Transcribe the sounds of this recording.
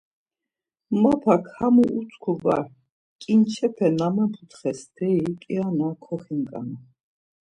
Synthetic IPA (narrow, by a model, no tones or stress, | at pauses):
mapʰakʰhamuʔut͡s̪ʰʼkʰuva̰ɾ | kʼint͡ʃʰɛpʰɛnamapʰut̪ʰχɛsd̪̥ɛikʼianakʰɔχiŋkʼa̰na